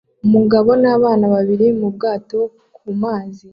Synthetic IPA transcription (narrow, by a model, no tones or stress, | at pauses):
umuɡaβo̞naːβaːnaβaβiɾimub̚ɡaːto̞ | kumaːzi